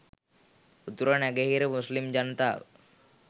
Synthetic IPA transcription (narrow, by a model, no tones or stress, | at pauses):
ut̪ɾənaɡeɦiɾemuslimd͡ʒant̪a